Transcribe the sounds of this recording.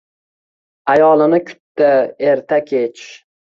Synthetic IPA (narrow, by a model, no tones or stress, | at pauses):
ajɒlˠɪnɪkʰʊ̥t̪ːaeɾt̪ʰakʲʰet͡ʃ